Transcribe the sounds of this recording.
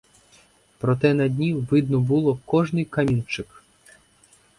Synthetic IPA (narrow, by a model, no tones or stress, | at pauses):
pɾɔt̪ɛnɐd̪ʲnʲiʋɪd̪nɔbulˠɔkɔʐnɪjkɐmʲint͡ʃɪk